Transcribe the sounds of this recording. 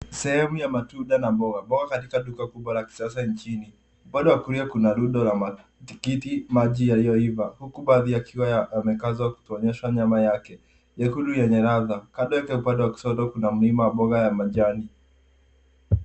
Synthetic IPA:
sɛhɛmujamatuɗanabɔɡabɔɣakatikaɗukakuɓwalaki̥sasaɲt͡ʃini | upaɗɛwakuɾiakunaluɗɔlama | tikitimaʄijalijɔivahukuɓaːðijakʰiwaajamɛkazɔaku̥tuɔɲɛʃwaɲamajakɛ | jɛkuɗujɛɲɛɾaðakaɗɔjakɛupaɗɛwaki̥sɔtɔkunamulimawaɓɔɣajamaʄani

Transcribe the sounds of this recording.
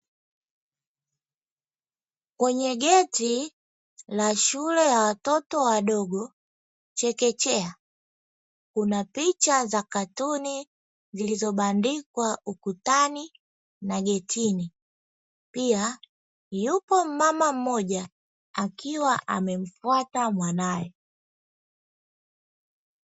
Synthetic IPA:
kwɛɲɛɡɛti | laʃulɛjawatɔtɔwaɗɔɡɔ | t͡ʃɛkɛt͡ʃɛa | kunapit͡ʃazakatuni | zilizɔɓandikwaukutani | naɡɛtʰini | pia | jupɔm̩mamam̩mɔʄa | akiwaʔa̰mɛm̩fwatamwanajɛ

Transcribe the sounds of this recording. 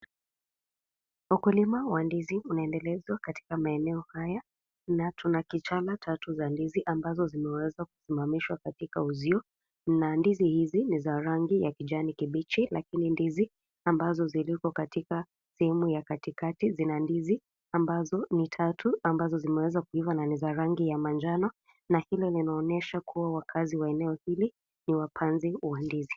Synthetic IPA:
ukulimawandiziunaɛndɛlɛzwakati̥kamaɛnɛɔhaja | natunakit͡ʃalatʰatuzandiziʔambazɔzimɛwɛzaku̥simamiʃwakatikauziɔ | nandizihizinizaɾaŋɡijakiʄanikiɓit͡ʃilakinindizi | ambazɔzilikɔkatika | sɛhɛmujakatikatizinandizi | ambazɔnitʰatʰuambazɔzimɛwɛzakuivananizaɾaŋɡijamand͡ʒanɔ | nahilɛlinaɔnɛʃakʰuwawakʰaziwaɛnɛɔhili | niwapʰanziwandizi

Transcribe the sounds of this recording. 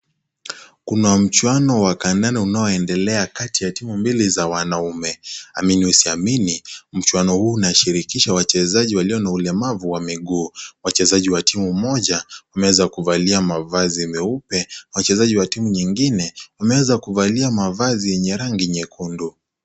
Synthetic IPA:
kunam̩t͡ʃwanɔwakandaniunaɔɛndɛlɛakatijatimumbilizawanaumɛa̰miniusiaminim̩t͡ʃwanɔhuːnaʃiɾikiʃawat͡ʃɛzaʄiwaliɔnaulɛmavuwamiɠuːwat͡ʃɛzaʄiwatimumɔʄawamɛwɛzakuvaliamavazimɛupɛwat͡ʃɛzaʄiwatimuɲiŋɡinɛwamɛwɛzakuvaliamavazijɛɲɛɾaŋɡiɛɲɛkʰundu

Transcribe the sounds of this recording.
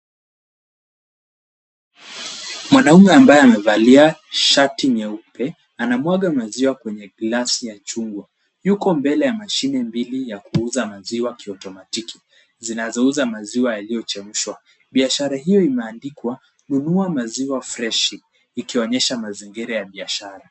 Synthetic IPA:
mwanaumɛambajɛamɛvaliaʃatiɲɛupɛ | anamwaɠamaziwakwɛɲɛɡlasijat͡ʃuŋɡwa | jukɔmbɛlɛjamaʃinɛmbilijakuuzamaziwakiɔtɔmatiki̥ | zinazɔuzamaziwajalijɔt͡ʃɛm̩ʃwa | ɓiaʃaɾaɦijɔimɛandikwa | nunuamaziwafɾɛʃiː | kiɔɲɛʃamaziŋɡiɾajaɓiaʃaɾa

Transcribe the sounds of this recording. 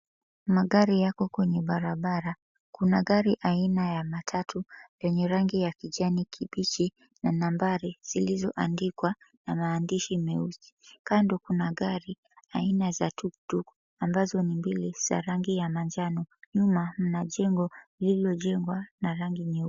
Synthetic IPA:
maɠaɾijakɔkwɛɲɛɓaɾaɓaɾa | kunaɠaɾiʔainajamatʰatʰujɛɲɛɾaŋɡijakiʄanikʰiɓit͡ʃi | nanambaɾiz̥ilizɔʔandikwanamaːndiʃimɛuzi̥kandɔkunaɠaɾi | ainazatuktuk | ambazɔnimbiliz̥a̰ɾaŋɡijamaɲd͡ʒanɔɲumam̩naʄɛŋɡɔililɔʄɛŋɡwanaɾaŋɡimɛ

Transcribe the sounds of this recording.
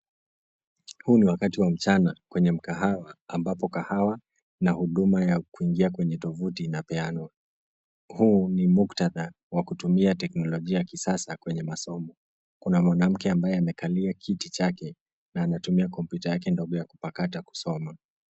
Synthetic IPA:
huːniwakatiwam̩t͡ʃanakwɛɲɛm̩kahawaːmbapɔkahawa | nahuɗumajakuiŋɡiakwɛɲɛtɔvutinapɛanwa | huːnimuktaða | wakutumiatɛknɔlɔʄiajakisasakwɛɲɛmasɔmɔ | kunamwanam̩kɛambajɛamɛkaliakʰitit͡ʃakɛ | naːnatumiakɔmpjutajakɛndɔɠɔjaku̥pakataku̥sɔma

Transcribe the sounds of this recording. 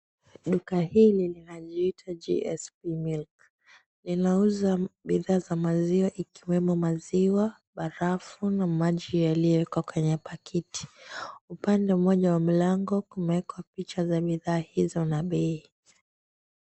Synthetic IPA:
ɗukahililinaʄiitʰad͡ʒḭɛspimilk | linauzaɓiðaːzamaziwaʔikiwɛmumaziwa | ɓaɾafunamaʄijaliɔɛkwakwɛɲɛpakʰiti̥upandɛmɔʄawam̩laŋɡɔkumɛɛkwapit͡ʃazaɓiðaːhizɔnaɓɛi

